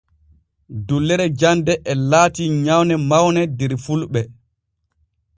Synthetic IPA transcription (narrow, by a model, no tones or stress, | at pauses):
dulːɛɾɛd͡ʒandɛʔɛlaːtiɲawnɛmawnɛdɛɾfulɓɛ